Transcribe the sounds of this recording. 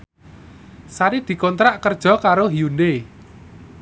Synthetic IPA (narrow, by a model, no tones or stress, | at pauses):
saɾid̪̥i̤kɔnt̪ɾaʔkərd̥ʒ̥ɔ̤kaɾoɦijunde